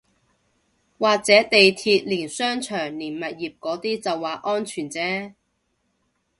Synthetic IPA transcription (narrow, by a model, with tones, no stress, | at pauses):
waː˨k̚t͡sɛː˨˥t̪e˨jt̪ʰiː˧t̚liː˨˩nsœː˥ŋt͡ʃʰœː˨˩ŋliː˨˩nmɐ˨t̚jiː˨p̚kɔː˨˥t̪iː˥t͡sɐ˨wːaː˨ʔɔː˥nt͡ʃʰyː˨˩nt͡sɛː˦˥